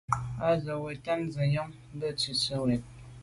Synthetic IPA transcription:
a˦ɣə˨wɛ˨ta˦nzə˨jɔ˦ŋ˦bə˦˨t͡si˨sə˦wɛ˨t̚

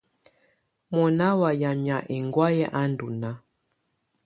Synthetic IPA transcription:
mɔ˨na˦wa˨ja˨mja˨ʔɛ˨ŋɡwa˦jɛ˦ʔa˦ndu˨na˦

